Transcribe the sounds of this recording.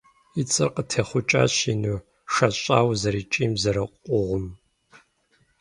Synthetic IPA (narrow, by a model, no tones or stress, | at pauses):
it͡sʼɨrqətʰeːχʷʊt͡ʃʼa̰ːɕinu | ʂɐɕʼaːwzɐɾiːt͡ʃʼiːmzɐɾɐqʷʼʊʁʷʊm